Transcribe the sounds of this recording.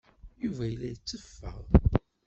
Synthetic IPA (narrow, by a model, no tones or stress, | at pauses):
juvæjəlːæjət͡sːəfːæ̰ʁ